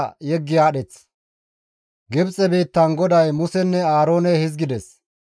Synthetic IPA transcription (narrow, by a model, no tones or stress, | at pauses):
jɛɡːɪjaːɗɛt͡s | ɡɪbt͡sʼɛbiːt̪ːɐnɡɔd̪ɐjmʊsɛnːɛaːɾo̞ːnɛhɪzɡɪd̪ɛs